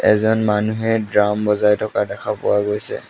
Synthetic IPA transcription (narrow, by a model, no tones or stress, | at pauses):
ɛ̰zɔnmanuɦɛdɹambɔzajtʰɔkadɛkʰapʊ̰waɡojsɛ̰